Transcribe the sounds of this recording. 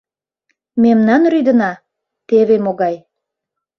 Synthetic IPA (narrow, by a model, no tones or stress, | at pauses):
memnɑnryd̪ə̆nɑ | t̪eβemoɣɑj